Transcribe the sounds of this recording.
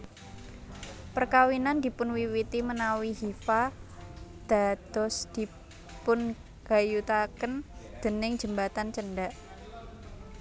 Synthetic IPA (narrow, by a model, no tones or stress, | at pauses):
pərkawinand̪i̤pʊnwiwit̪imənawiɦifa | d̪̥a̤d̪̥ɔsd̪̥i̤ | pʊn | ɡ̥a̤jut̪akənd̪̥ə̤nɪŋd͡ʒə̤mbat̪ant͡ʃənɖaʔ